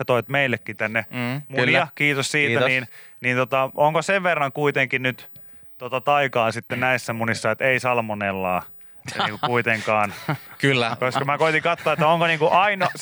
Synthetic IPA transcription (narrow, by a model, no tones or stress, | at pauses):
ɑt̪oit̪meilːekːit̪ænːemuniɑkiːt̪ossiːt̪æniːn | niːnt̪ot̪ɑoŋkoseʋʋerːɑŋkuit̪eŋkinnyt̪ | t̪ot̪ɑt̪ɑikɑːnsit̪ːennæisːæmunisːɑet̪eisɑlmonelːɑː | nniːŋkukuit̪eŋkɑːnkylːkoskɑmækoit̪iŋkɑt̪ːoɑːet̪ːæoŋkoniːŋkuʔɑinɑ